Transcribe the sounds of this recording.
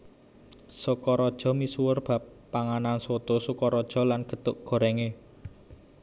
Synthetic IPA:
sukɔɾɔd̥ʒ̥ɔ̤misuwərb̥ä̤pːaŋananswot̪osukɔɾɔd̥ʒ̥ɔ̤lanɡ̥ə̤t̪ʊʔɡ̥ɔ̤ɾɛŋe

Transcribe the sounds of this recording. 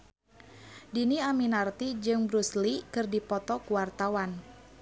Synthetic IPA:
diniaminart̪id͡ʒɨŋbɾuslikɨrdipɔt̪ɔkuwart̪awan

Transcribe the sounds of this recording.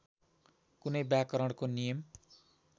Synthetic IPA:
kunʌjbjakʌɾʌɽ̃konijʌm

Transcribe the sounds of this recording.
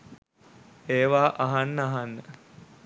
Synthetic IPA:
eːʋaːʔaɦanːəaɦanːə

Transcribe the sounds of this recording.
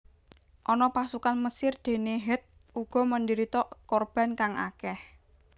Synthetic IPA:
ʔɔnɔpasukanməsɪrd̪̥e̤neɦɛt̪̚ | uɡ̥ɔ̤məndiɾit̪ɔkɔrb̥a̤nkaŋa̰kɛh

